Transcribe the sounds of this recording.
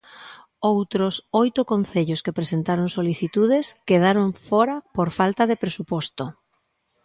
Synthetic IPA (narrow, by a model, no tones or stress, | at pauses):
owt̪ɾosojt̪okon̟θeʎoskepɾesent̪aɾoŋsoliθit̪uðeskeðaɾoŋfɔɾɐpoɾfalt̪aðepɾesupɔst̪o